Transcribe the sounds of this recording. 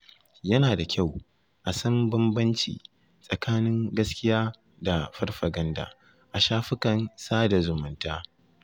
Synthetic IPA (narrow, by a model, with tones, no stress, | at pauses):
jɐ˦naː˨da˨kʲa˦˨w | ʔa˨sɐ˦mbɐ˦mbɐ˦nt͡ʃḭː˨ | sʼɐ˨kaː˦nɪ˦ŋɡɐ˦skʲɪ˦jaː˦ | da˨ɸɐ˦rɸɐ˨ɡɐ˦nda̰˨ | ʔa˨ʃaː˦ɸɪ˦kɐ˨nsaː˦da˨zʊ˨mʊ˨ntaː˦